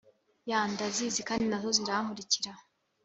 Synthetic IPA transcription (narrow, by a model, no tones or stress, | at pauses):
jaːndaziːzikaːndinazo̞ziɾamuɾiciɾa